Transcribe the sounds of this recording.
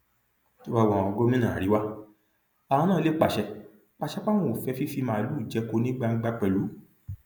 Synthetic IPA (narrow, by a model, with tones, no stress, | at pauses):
to˦ba˧˦wɔ̃˧˨ɔ˧ɡo˦mĩ˦nã˨ɾi˨˦wa˦ | ã˨ã˧nã˦˨˧le˦k͡pa˨ʃɛ˧ | k͡pa˧˨ʃɛ˧˦k͡pa˦w̃ɔ̃˦˨fɛ˧fi˦fi˧mã˧˨i˧lu˨˦˨d͡ʒɛ˨˧ko˧nĩ˦ɡ͡ba˧ŋ̩˦ɡ͡ba˧k͡pɛ˨lu˨˦